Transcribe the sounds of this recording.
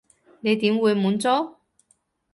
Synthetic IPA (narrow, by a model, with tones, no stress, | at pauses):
ne˨˧jt̪iː˨˥mwuː˨˧jmuː˨˥nt͡sɔː˥